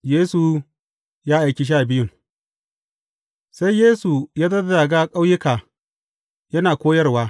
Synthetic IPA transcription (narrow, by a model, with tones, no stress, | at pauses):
jeː˦su˨ | jaː˦ʔa˨kʲi˦ʃ̬aː˦˨bɪ˦jʊ˨ŋ | sa˦jjeː˦su˨jaː˦dɐ˦dda˨ɡaː˦kʼa˦wjɪ˦kaː˨ | jɐ˦naː˨kʷoː˦jɐ˦rwaː˦